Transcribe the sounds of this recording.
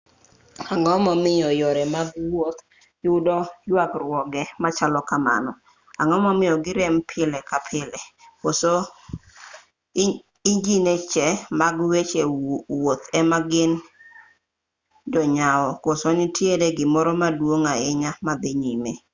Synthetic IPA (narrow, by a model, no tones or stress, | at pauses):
aŋɔmɔmɪjɔjɔɾɛmaɡwot̪ | jʊdɔjwakrwɔɡɛmat͡ʃalɔkama̰nɔ | aŋɔmɔmɪjɔɡɪɾɛmpʰɪlɛkapʰɪlɛkoso | id͡ʒinet͡ʃɛmaɡwet͡ʃewot̪ɛmaɡɪn | d͡ʒɔɲaɔkosonɪtʰjedeɡɪmɔɾɔmadwoŋaɪɲamad̪ɪɲime